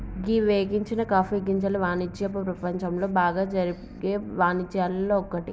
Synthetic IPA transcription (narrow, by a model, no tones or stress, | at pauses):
ɡiːʋeːɡiɲt͡ʃinɐkaːfiɡiɲt͡ʃɐlɐʋaːnid͡ʒjɐpɐpɾɐpɐɲt͡ʃɐmlo̞ːbaːɡaːd͡ʒɐɾi | ɡeːʋaːnit͡ʃːjaːlɐloːɔkːɐʈi